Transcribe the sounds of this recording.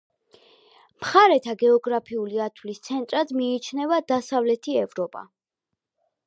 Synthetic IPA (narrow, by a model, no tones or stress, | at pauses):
mχaɾɛt̪ʰaɡɛɔɡɾapʰiuliat̪ʰwlist̪sʰɛnt̪ʼɾad̪miːt͡ʃʰnɛvad̪asavlɛt̪ʰiɛvɾɔpʼa̰